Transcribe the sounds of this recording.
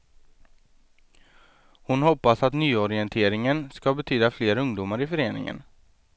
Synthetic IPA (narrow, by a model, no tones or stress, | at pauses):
hʊnhɔpːasat̪nyːɔɾɪɛnt̪ʰeːɾɪŋənskabɛt̪ʰyːd̪afleːɾɵŋd̪uːmaɾɪfœɾeːnɪ̰ŋə̰n